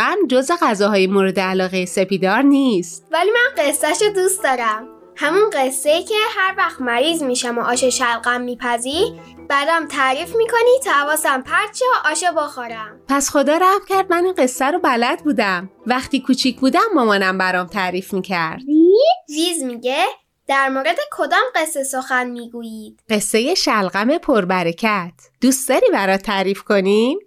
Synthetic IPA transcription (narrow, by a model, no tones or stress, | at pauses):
æmd͡ʒozeɣæzɒːɦɒːjemoɾed̪eælɒːɣejese̞piːd̪ɒːɾniːst̪vælimænɢesːæʃod̪ust̪d̪ɒːɾæm | hæmunɢesːejicʰehæɾvæxt̪mæɾiːzmiːʃæmoʔɒːʃeʃælɢæmːiːpʰæziɾ | b̥æd̪æmt̪ʰæɾiːfmiːkʰonit̪ʰɒhævɒːsæmpʰæɾt͡ʃʰeʔɒːʃeboxoɾæmpʰæsxo̞d̪ɒːɾæhmcʲʰæɾd̪̚mæninɢe̞sːæɾobælæd̪̚buːd̪æmvæχt̪iːkʰuːt͡ʃʰicʰbuːd̪æmːɒmɒːnæmbæɾɒːmt̪ʰæɾiːfmiːcʰæɾd̪̥iviːzmiːɟe | d̪̥æɾmoːɾe̞d̪ekʰod̪ɒːmɢe̞sːesoxænmiːɡuːjiːd̪̥ɢ̥e̞sːe̞je̞ʃælɢæme̞pʰoɾbæɾecʰæt̪ʰd̪̥uːst̪d̪ɒɾiːbæɾɒːt̪ʰːæɾiːfkʰo̞nim